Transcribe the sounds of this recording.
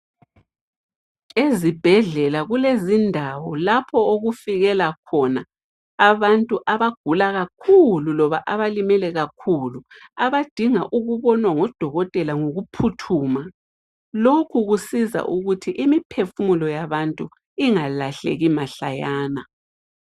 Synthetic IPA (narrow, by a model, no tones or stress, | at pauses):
ezib̥ʱɛɮɛlaɣulezindʱawɔlapʰɔoɣufiɣɛlakʰɔnaː | βantʼuʔaβaɡ̥ʱulaɣakʰululɔβaʔaβalimɛlɛɣakʰulu | aβad̥ʱiŋaʔuɣuβɔnwaŋɔd̥ʱɔɣɔtʼɛlaŋoɣupʰutʰuːma | lokʰuɣusiza̰ʔuɣutʰiʔimipʰefumulɔjaβantʼu | iŋalaɬḛɣimaɬajaːna